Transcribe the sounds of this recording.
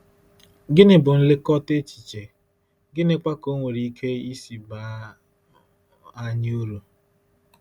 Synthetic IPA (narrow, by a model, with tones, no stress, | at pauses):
ɡɪ˦nɪ˦bʊ˨n̩˦lɪ˦kɔ˦te˦t͡ʃi̥˨t͡ʃe˨ | ɡɪ˦nɪ˦kʷa˦ko˦ŋʷe˨ɾi˨˦i˦kʰe˦i˦si˨ba˨˦ | a˦ɲ˦u˦ɾu˨